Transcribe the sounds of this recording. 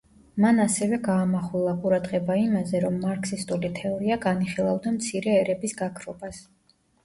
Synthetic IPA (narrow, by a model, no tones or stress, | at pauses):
manasɛvɛɡaːmaχulˠaqʼuɾad̪ʁɛbaimazɛɾɔmːaɾkʰsist̪ʼulit̪ʰɛɔɾiaɡaniχilˠavd̪amt̪sʰiɾɛːɾɛbisɡakʰɾɔbas